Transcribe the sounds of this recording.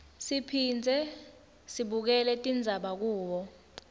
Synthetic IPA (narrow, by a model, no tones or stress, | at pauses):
sipʰiːnd͡zʱɛ | siɓuk̬ɛlɛtʼind͡zʱaɓak̬uːɓɔ